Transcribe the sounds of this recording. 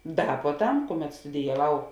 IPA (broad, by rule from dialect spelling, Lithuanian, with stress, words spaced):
ˈdɐ puɔˈtɐm ˈkʊˌmʲɛt stʊdʲɪjɛˈʋɐʊ